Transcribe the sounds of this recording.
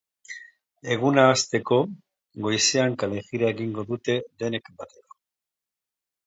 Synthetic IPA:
e̞ɣ̞unaːst̪e̞ko̞ | ɣo̞jseaŋkale̞ɣiɾaeɣiŋɡo̞ðut̪e̞ðe̞ne̞kbat̪eɾo

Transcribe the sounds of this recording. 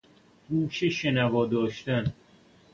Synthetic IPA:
ɡuːʃeʃenævɒːd̪ɒːʃt̪æn

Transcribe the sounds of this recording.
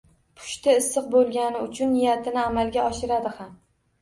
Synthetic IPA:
pʰʊ̥ʃt̪ʰaɪsːɨq̚bolˠɡʲanɪʊt͡ʃʰʊnːɪjat̪ʰɪnɪamalˠɡʲaɒʃɪɾad̪ɪham

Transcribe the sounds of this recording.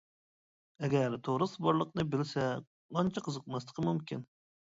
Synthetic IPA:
ɛɡʲæɾt̪ʰoɾɨsbɑɾlˠəqnɨbɪlsɛ | mɑnt͡ʃʰɑqʰəzəq̚mɑslˠə̥qʰəmumkʲin

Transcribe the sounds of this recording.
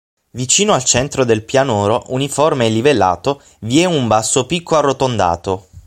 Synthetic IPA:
vit͡ʃiːnoalt͡ʃɛnt̪ɾod̪elpjanoːɾoʔuniformeɛlːivelːa̰ːt̪o | vjɛnumbasːopikʰːoarːot̪ond̪a̰ːt̪o

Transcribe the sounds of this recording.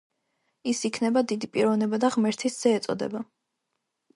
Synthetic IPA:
isikʰnɛbad̪id̪ipʼiɾɔvnɛbad̪aʁmɛɾt̪ʰisz̥ɛːt̪sʼɔ̰d̪ɛ̰ba

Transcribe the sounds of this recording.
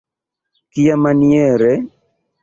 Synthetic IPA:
kijamaniɛɾɛ

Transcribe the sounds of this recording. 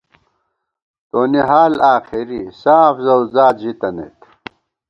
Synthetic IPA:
t̪oːniɦaːlaːxiɾisaːfzɐwzaːd͡ʑit̪ɐnḛt̪

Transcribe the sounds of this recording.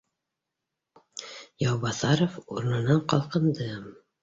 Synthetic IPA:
jɑwbɑθɑɾofṵɾnɤ̆nɑɴqɒ̰lˠqɤ̆nd̪ɤ

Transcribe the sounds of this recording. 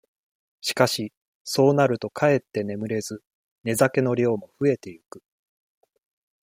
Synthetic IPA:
ɕi̥kaɕi | so̞ːnaɾɯ̟t̪o̞kʰae̞t̪ːe̞ne̞mɯ̟ɾe̞zɨ | ne̞zake̞no̞ɾʲo̞ːmo̞ɸɯ̟e̞t̪e̞jɯkɯ̟̥

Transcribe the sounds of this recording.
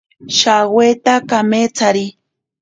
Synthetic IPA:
ʃawweːt̪akamet͡saɾi

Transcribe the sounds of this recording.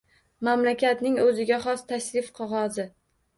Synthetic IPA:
mamlakʲat̪nɪŋɵzɪɡʲaχɒst̪ʰaʃɾɪfqʰɒʁɒzɪ

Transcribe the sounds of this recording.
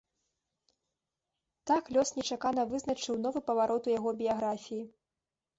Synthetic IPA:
t̪aklʲɔsnʲɛt͡ʂakanɐvɨznɐt͡ʂɨwnɔvɨpɐvaɾʔɔt̪ujaɣɔbʲijaɣɾafʲiji

